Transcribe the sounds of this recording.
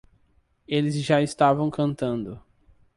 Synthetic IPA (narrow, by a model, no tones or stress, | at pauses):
elɪzʒaɪst̪avɐ̃w̃kɐ̃nt̪ɐ̃nd̪ʊ